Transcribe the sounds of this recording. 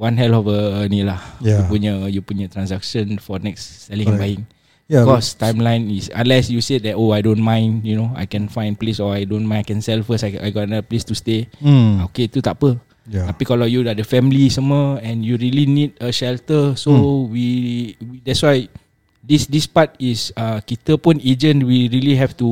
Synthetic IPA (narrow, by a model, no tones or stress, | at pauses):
wãnhɛlɔfəənilahupuəjupujət̪ɹãnsakʃə̃nfɔnɛksːɛlĩŋɛ̃nbajĩŋ | bikɔstãjmlãj̃nisã̰nlɛsjusedɛtoajdõnmãj̃njunoa̰jkɛ̃nfãj̃nplesɔajdõnmãj̃najkɛ̃nsɛlfəsaa̰jɡɔtnaplestusteoketutapə | apikɔlɔfjudadəfɛ̃mlisaməɛ̃njuɹilinidəʃɛltəsowiwidɛtswaj | disdispat̚isəkit̪əpɔ̃ned͡ʒə̃nwiɹiliɦɛftu